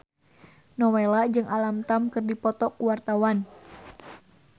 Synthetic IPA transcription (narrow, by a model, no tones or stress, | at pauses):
nɔwelad͡ʒɨŋalamt̪amkɨrdipɔt̪ɔkuwart̪awan